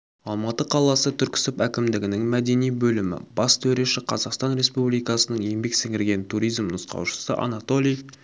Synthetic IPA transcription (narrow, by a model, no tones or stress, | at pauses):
ɑlˠmɑt̪əqʰɑlˠɑsət̪ʰʏɾkʲɪ̥sɪpækʲɪmd̪ɪɡʲɪnɪŋmæd̪e̞nijbɵlɪmɪ̰bɑst̪ʰɵɾe̞ʃɪqʰɑzɑqst̪ɑnɾe̞spublijkɑsənəɴje̞mbe̞ksɪŋʲɪɾɡʲe̞nt̪ʰuɾijzmnəsqɑ̰wʃə̥səʔɑ̰nɑt̪o̞lʲij